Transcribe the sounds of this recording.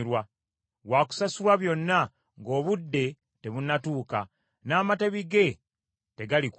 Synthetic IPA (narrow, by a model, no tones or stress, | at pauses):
ɾwa | waku̥sasulwaβjo̞nːa | ŋɡo̞ːβudːe̞ | te̞βunatuːka | naːmate̞βiɡe̞ | te̞ɡalik